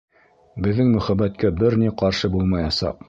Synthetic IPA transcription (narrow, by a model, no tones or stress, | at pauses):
bɘ̆ðːɘŋmɵ̆χæbæt̪kæbɘɾniqɑɾʃɤbulˠmɑjɑsɑ̰q